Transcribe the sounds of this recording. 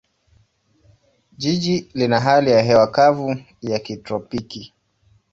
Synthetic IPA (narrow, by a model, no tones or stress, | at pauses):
ʄiʄilinaɦalijaɦɛwakavu | jakitɾɔpiki